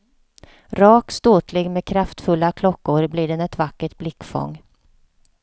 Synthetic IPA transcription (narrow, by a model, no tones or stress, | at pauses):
ɾɑːkt̪st̪oːt̪ʰlɪɡmeːkʰɾaft̪fɵlːakʰlɔkːʊɾbliɖɛnɛt̪vakːəʈblɪkːfɔ̰ŋː